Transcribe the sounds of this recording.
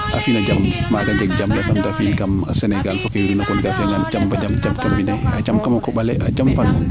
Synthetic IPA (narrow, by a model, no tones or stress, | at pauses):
ʔa̰finad͡ʒammaɡad͡ʒɛɡd͡ʒamdasamdafinkamsɛnɛɡalfɔkɛwiɾinakɔnɡafɛŋɡand͡ʒambad͡ʒamd͡ʒamkambinajad͡ʒamkamakɔɓalɛʔad͡ʒamfanu